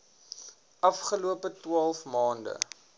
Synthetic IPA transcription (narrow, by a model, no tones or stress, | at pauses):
ʔɐfχəluəpətwɑːlˠfmɑːndə̰